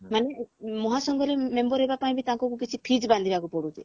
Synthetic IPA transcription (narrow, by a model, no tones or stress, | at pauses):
manemɔɦasɔŋɡɔlemembɔɾɦebapaĩbit̪ãŋkɔkukit͡ʃʰipʰid͡ʒband̪ʱibakupɔɽut̪e